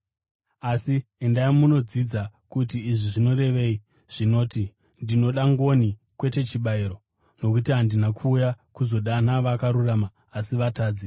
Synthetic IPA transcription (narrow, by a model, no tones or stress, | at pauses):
asiendaimuno̞d͡zid͡zakutiːʐiʐino̞ɾe̞ʋe̞ːi | ʐ̥ino̞ːti | ndino̞ɗaŋɡo̞nikwe̞te̞t͡ʃiɓaiɾo̞ | no̞kutiɦandinakʰuːjakuzo̞ɗanaʋakaɾuramaːsiʋataːd͡zi